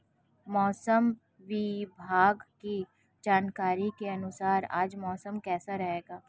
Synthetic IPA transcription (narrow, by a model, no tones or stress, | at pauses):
mɔːsəm | ʋibʱaːɡki | d͡ʒaːnkaːɾikeɐnʊsaːɾa̰ːd͡ʒmɔːsəmkɛːsaɾɐɦeːɡaː